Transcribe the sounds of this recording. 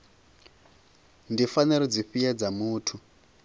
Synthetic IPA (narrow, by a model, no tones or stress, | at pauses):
ndifaniɾɔd͡ziɸijad͡zamuːtʰu